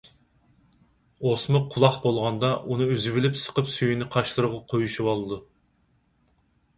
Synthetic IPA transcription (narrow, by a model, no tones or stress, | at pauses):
osmʊqʰʊlˠɑχbolˠʁɑnd̪ɑʔunɨøzybilɪpsə̥qəpsyjynɪqʰɑʃlˠɨɾəʁɑqʰojuʃuwɑlˠɨd̪u